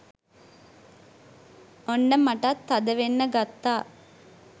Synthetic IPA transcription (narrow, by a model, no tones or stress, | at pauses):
onːəmaʈat̪ːad̪əʋenːəɡat̪ːaː